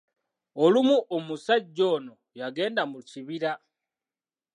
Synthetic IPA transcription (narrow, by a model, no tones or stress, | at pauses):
olumuʔomusaɟono | jaɡe̞ːndamuciβiɾa